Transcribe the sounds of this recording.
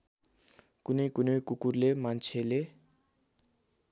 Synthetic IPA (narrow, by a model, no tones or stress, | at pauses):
kunojkunojkukuɾlemant͡ʃʰele